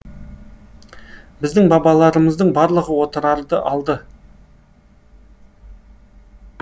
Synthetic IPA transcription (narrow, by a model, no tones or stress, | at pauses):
bɪzd̪ɪŋbɑbɑlˠɑɾəməzd̪əɴbɑɾlˠəʁəwo̞t̪əɾɑɾd̪əʔɑlˠd̪ə